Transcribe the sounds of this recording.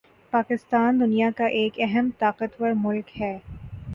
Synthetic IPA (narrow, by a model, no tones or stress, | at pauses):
paːkɪst̪aːnd̪ʊnijakaʔeːkɛɦəmt̪aːqət̪wəɾmʊlkhɛː